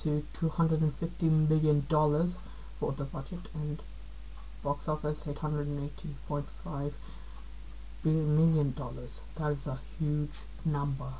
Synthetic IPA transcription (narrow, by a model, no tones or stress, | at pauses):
tʰɨtʰuhʌ̃ndɹədɨ̃nfɪftĩmɪlˠjɨ̃ndɔlˠə˞z̥ | fə˞ðəbʌd͡ʒɨtʰɨ̃n | b̥ɑksɔfəseɪthʌ̃ndɹəd̃neɪtʰipʰɔ̃ɪ̃ntfaɪv̥ | b̥ɪmɪlˠjə̃ndɔlˠə˞z̥ðəɾɪzəhjʉ̥d͡ʒ | nʌ̃mbə